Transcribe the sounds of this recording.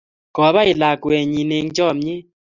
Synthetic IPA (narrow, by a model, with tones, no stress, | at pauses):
kɔ˨˦βa˦ɪ˨la˨kwɛ˨ɲi˨ne˨ŋd͡ʒɔ˦˨mɲɪ˦